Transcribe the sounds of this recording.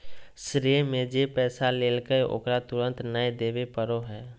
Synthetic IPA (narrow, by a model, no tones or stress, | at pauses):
sɾimẽd͡ʒepɛːsaleːlkəjo̰ːkɾat̪ʊɾə̃nt̪nəjd̪eːbepəɾoɦɛː